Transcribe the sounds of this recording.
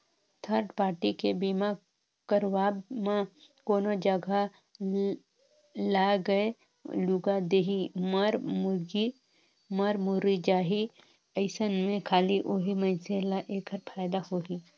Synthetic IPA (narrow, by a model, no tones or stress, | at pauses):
t̪ʰəɾɖpaːɾʈikebiːma | kəɾwaːbmakoːnod͡ʒəɡa | laːɡəe | luɡad̪eːɦiməɾmʊɡi | məɾmʊɾid͡ʒaːɦi | əɪsənmẽkʰaːliʔoɦiməɪnselaʔeːkəɾpʰaːjd̪ahoɦi